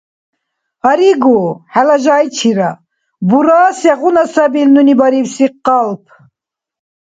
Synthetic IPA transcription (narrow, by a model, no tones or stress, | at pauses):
aɾiɡuħalaʒaːjt͡ʃʰiɾa | buɾaːsɛʁunasabilnunibaɾiwsiqːalp̚ʰ